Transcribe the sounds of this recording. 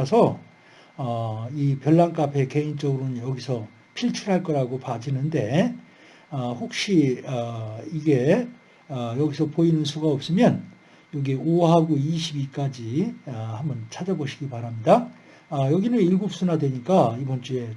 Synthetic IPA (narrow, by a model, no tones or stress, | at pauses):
sʰʌ | ʌipjʌɭːaŋk͈apʰe̞ke̞int͡ɕ͈ʌɡɯɾonɯnjʌɡisʰʌ | pʰiɭt͡ɕʰuɾɦaɭk͈ʌɾaɡopad͡ʑinɯnde̞ | ʌɸok̚ɕ͈iʌiɡe̞ | ʌjʌɡisʰʌpoinɯnsʰuɡaʌp̚s͈ɯmjʌn | jʌɡioɦaɡoiɕʰibik͈ad͡ʑihambʌnt͡ɕʰad͡ʑaboɕʰiɡipaɾamɲida | jʌɡinɯniɭɡop̚s͈unadwe̞ɲik͈aibʌnt͡ɕ͈ue̞